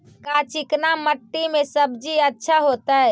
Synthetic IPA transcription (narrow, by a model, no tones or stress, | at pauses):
kat͡ʃʰiknaməʈːimẽsəbd͡ʒiətːʃʰaɦot̪ə